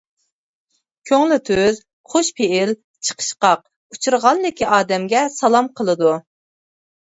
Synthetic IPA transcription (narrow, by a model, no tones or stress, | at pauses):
kʲʰøŋlɪt̪ʰøz | χʰoʃpʰeɪl | t͡ʃʰə̥qʰə̥ʃqɑq̚ | ut͡ʃʰuɾʁɑnːɪkʲʰiʔɑːd̪ɛmɡʲɛsɑlˠɑmqʰəlˠɨd̪u